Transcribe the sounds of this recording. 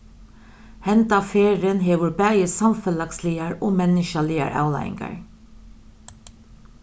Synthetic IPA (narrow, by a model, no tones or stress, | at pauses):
hɛnt̪ɑːfeːɾənheːʋʊɹbæjəsɑmfəlɑksliːəɹoːmɛnəʃɑlɪːə̰ɹʔɑ̰ʉlɑ̰ɪ̰ŋɡə̰ɹ